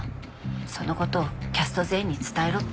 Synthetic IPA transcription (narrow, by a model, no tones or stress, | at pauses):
so̞no̞ko̞t̪o̞ːkʲasɨ̥t̪o̞ze̞ːɲ̟ːit͡sɨ̥t̪aeɾo